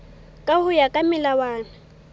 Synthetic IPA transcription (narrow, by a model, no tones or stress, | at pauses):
kʼahʊjakʼamɪlawaːna